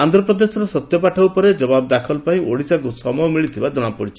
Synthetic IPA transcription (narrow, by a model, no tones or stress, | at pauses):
and̪ʱɾɔpɾɔd̪esɔɾɔsɔt̪jɔpaʈʰawpɔɾed͡ʒɔbabɔd̪akʰɔlpaĩʔoɽisak̬usɔmɔɦɔmiɭit̪ʰibad͡ʒɔɽ̃apɔɽit͡ʃʰi̥